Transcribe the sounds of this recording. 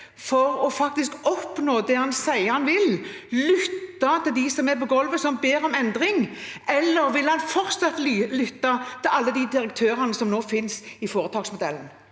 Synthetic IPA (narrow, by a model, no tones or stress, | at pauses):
fɔʁɔfɑk̚t̪ɪskɔpnoːd̪ɛhɑnsæɪhɑnʋɪllʏt̪ːɑt̪ʰɪld̪isɔmɛpɔɡɔlʋəsɔmbeːɾɔmɛnd̪ɾɪŋɛlːəɾʋɪlhɑnfɔʁt̪sɑt̪llʏt̪ːɑt̪ʰɪlɑlːəd̪id̪ɪɾək̚t̪ʰøːɾənəsɔmnoːfɪnsɪfoːɾət̪ʰɑːɡsmʊd̪ɛln